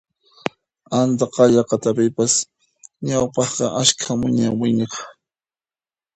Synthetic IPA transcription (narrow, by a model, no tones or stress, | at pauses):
ant̪aqɑʎɑqɑt̪apɪpas | ɲawpɑχqɑʔaskʰamʊɲawɪɲɑχ